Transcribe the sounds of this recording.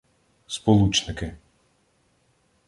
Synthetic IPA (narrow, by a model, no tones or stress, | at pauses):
spɔlˠut͡ʃnɪkɪ